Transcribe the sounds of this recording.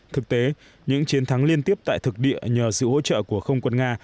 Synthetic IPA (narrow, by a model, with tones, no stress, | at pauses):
t̪ʰɨ˨˩k̚t̪e˨˦ | ɲɨ̰˧˥ŋt͡ɕi˨˦ənt̪ʰa˨˦ŋli˧ənt̪i˦˥əp̚t̪a̰ː˧˨jt̪ʰɨ˨˩k̚ɗḭ˧˨əɲəː˨˩sɨ̰˧˨ho̰˧˥t͡ɕə̰ː˧˨ku˧˩əxə˧wŋ͡mkwə˧nŋaː˧